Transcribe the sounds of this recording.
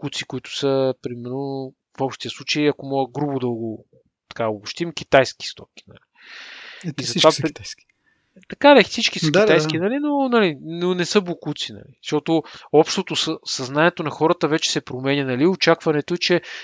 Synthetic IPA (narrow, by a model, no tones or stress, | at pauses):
kut̪sikʊit̪ʊ̥səpɾimɛɾno | fɔpʃt̪ijəslˠut͡ʃəjɐkomɔɡəɡɾubʊd̪ɐɡo | t̪ɐ̥kaoboʃt̪imkʲit̪ajsk̟i̥st̪ɔki̥nɐ̰li | izɐtva | t̪ɐkad̪ɛsit͡ʃkisəkit̪ajskinɐlinonɐlinonɛsɤblokut̪sinɐ̰liʃt̪ɔt̪oɔpʃt̪ot̪osəsɐznanʲiɛt̪onɐxɔɾət̪əvɛt͡ʃɛ̥sɛpɾomɛnʲənɐliot͡ʃakvɐnɛt̪oɛt͡ʃɛ